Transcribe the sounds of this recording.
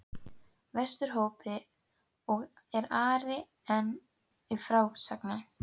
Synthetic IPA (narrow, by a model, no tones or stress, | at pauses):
vɛst̪ʏɾ̥ɦoːwpɪ | ɔɣ | ɛɾaːɾɪ | ɛnː | ifɾawʏxt̪sakna